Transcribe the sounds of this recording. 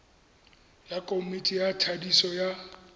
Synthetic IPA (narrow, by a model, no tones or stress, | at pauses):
jakʼomitʼijatʰadisɔja